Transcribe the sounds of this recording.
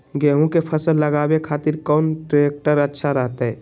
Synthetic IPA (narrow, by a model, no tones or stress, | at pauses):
ɡeːɦũkepʰəsəlːəɡaːbekʰaːt̪ɪɾkɔːnʈɾek̚ʈəɾətːʃʰaɾəɦt̪ɦɛː